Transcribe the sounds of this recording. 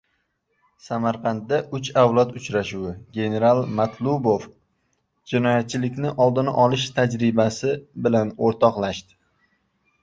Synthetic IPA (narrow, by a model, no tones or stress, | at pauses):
samaɾqʰɑnd̪ːaʔʊt͡ʃawlˠat̪ʊt͡ʃɾaʃuwɪɡʲe̞ne̞ɾalˠmat̪ʰlˠubof | d͡ʒɪnɒjat̪̚t͡ʃʰɪlɪkʲnɪʔɒlˠd̪ɪna̰ʔɒlɪʃt̪ʰad͡ʒɾɪbasɪbɪlanoɾt̪ʰɒqlˠaʃt̪ɪ̥